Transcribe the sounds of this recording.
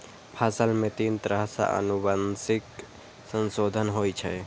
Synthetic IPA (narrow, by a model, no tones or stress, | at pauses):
pʰaːsəlmẽt̪iːnt̪ɾəɦsa̰ʔə̰nubansɪk | sənsoːd̪ʱənɦoːjt͡ʃʰɛ